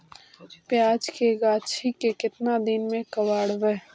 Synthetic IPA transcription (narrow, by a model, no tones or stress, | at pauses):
pjaːd͡ʒkeɡaːt͡ʃʰikekɪt̪nad̪ɪnmẽkɐʋaːɽʋeː